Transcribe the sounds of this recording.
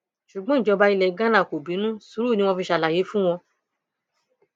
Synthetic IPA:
ʃu˨ɡ͡bɔ̃˦i˦˨d͡ʒɔ˨˧ba˧i˧lɛ˧ɡã˦nã˦˨ko˨bi˨˦nũ˦su˨˦ɾu˦˨nĩ˦wɔ̃˧fi˧ʃa˧˨la˨je˨˦fũ˦w̃ɔ̃˧

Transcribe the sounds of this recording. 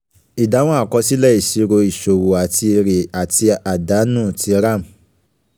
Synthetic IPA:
i˨da˨˦w̃ɔ̃˦a˦˨kɔ˧si˦lɛ˦˨i˨ʃi˨˦ɾo˧i˨ʃo˨wo˨a˨ti˧ɾe˨a˨tʰi˧a˨da˨˦nũː˦˨tʰi˧˦ɾa˦˨m̩˨

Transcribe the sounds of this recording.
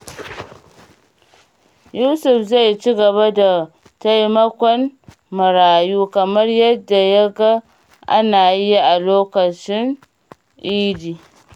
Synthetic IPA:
juː˦sʊ˨fza˦˨jt͡ʃi˦ɡɐ˨βa˦da˨ | ta˦jmɐ˦kʷɔ˦n | mʊ˨ɾaː˨juː˦kɐ˨mɐ˦rjɐ˦dːa˨ja˦ɡa˦ | ʔa̰˦naː˨ji˦ʔa˨loː˦kɐ˨t͡ʃɪ˦n | ʔiː˦diː˨

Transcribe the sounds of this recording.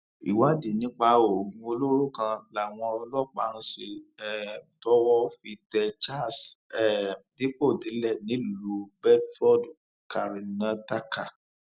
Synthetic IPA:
ḭ˨wa˨˦di˨nĩ˨˦k͡pa˧˦o˨ɡũ˧o˧lo˦ɾo˦˨kã˧la˨w̃ɔ̃˧ɔ˧lɔ˦˨k͡pa˨˦ñ̩˧˦se˧ɛ˨tɔ˦wɔ˧˦fi˧tɛ˧t͡ʃa˦˨sɛ˨de˦po˦˨di˨˦lɛ˦˨nĩ˨˦lu˧bɛ˦lfɾɔ˦˨d | ka˨ɾi˨nã˦ta˦ka˦˨

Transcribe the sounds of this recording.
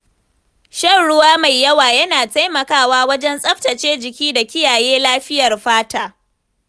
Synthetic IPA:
ʃɐ˦˨nɽʊ˦waː˦ma˨jːɐ˦waː˨jɐ˦naː˨ta˦jmɐ˨kaː˦waː˦wɐ˦d͡ʒɛ˦nsʼɐ˦ɸtɐ˨t͡ʃeː˦d͡ʒɪ˨kʲiː˦da˨kʲɪ˦jaː˨jeː˦laː˦ɸɪ˦jɐ˨rɸaː˦taː˦˨

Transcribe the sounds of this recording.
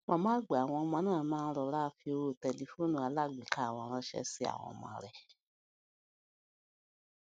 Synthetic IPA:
mɔ̃˧˦mãː˦ɡ͡ba˨w̃ɔ̃˧mã˧˦nãː˦˨mãː˦˧n̩˦ɾɔ˧˦la˦fi˧o˧ɾo˦˨tɛ˨li˨˧fo˦˨nũ˦˨a˨˧˦la˦˨ɡ͡bĩ˨ka˦˨˦wɔ̃˧ɾ̃ã˧˦ʃɛ̰˧˦si˦a̰˦˨w̃ɔ̰̃˧mã̰˧˦ɾɛ˨

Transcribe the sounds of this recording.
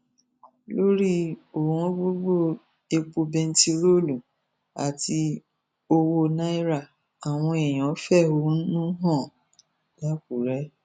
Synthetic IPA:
lo˦ɾi˦o˨hɔ̃˦ɡ͡bo˦ɡ͡bo˦˨ | e˧k͡po˧bɛ˧n̩˦ti˧ɾo˦lu˨ | a̰˨ti˧ | o˧wo˧nã˦i˦ɾa˦˨ | a˨w̃ɔ̃˧e˨j̃ɔ̃˨˦fɛ˦˨o˨˦nũ˦ɦɔ̃˦˨ | la˦ku˨ɾɛ˦

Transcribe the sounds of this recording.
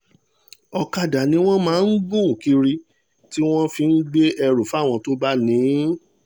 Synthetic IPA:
ɔ˧ka˧da˨nĩ˧˦w̃ɔ̃˦mãː˨˦n̩˦ɡ͡bũ˦˨ki˧ɾi˧ | ti˦w̃ɔ̃˦fi˨˧n̩˦ɡ͡be˦ɛ˧ɾo˨fa˦˨w̃ɔ̃˧to˦ba˦nĩ˨˦

